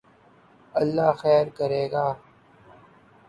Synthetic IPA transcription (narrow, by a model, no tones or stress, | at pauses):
ɐlːaːxɛːɾkəɾeːɡaː